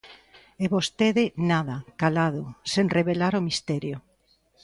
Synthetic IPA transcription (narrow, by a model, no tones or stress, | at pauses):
eβost̪eðɪnaðakalaðʊseŋreβelaɾomist̪ɛɾjo